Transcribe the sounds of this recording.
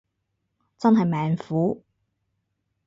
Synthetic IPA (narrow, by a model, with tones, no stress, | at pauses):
t͡sɐ˥nɦɐ˨jmɛː˨˩ŋfuː˨˥